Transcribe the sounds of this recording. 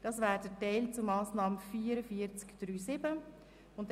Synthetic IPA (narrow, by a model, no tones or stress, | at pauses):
d̥ɑːsvæːɾdətɛɪlt͡sʊmɑːsnɑːməfiːəɾəfiːəɾt͡skd̥ɾyːsɪbə | ʊnt̚